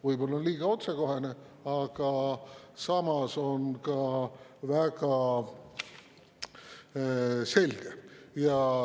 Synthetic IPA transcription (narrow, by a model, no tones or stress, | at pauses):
vɯjbo̞lːɑonliːɡ̥ɑo̞t̪seko̞ɦe̞ne | ɑɡ̥ɑsɑmɑso̞nkɑvæɡ̥ɑ | se̞lɡ̥ejɑ